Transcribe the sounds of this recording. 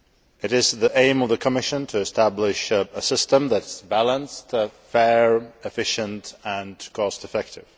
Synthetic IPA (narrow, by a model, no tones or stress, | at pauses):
ɨɾɪzðiʔẽɪ̃mʌvðəkʰəmɪʃə̃ntʰɨɨstæblɪʃəsɪstə̃mðɨtsbælˠə̃nstfɛɹɨfɪʃə̃ntə̃nkʰɔstɨfɛk̚tʰɪv̥